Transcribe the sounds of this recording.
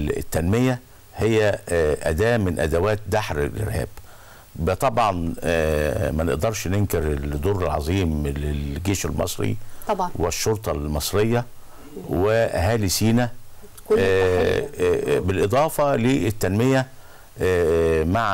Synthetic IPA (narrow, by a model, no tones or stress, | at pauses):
t̪ːænmejæ | hejːæʔæd̪æːmɪnʔæ̰d̪æwæːt̪̚d̪aħɾḛlʔɪ̰ɾhæ̰ːb̥ | bt̪ˤɑbʕɑn | mænḛʔd̪ɑɾˤʃneŋkeɾed̪oːɾelʕɑzˤiːmlelɡeːʃelmɑ̰sˤɾḭɑweʃːoɾt̪ˤɑlmɑsˤɾejːɑ | wehæːlisiːnæ | bɪlʔed̪ˤɑːfɑlit̪ːænmejæ | maʕ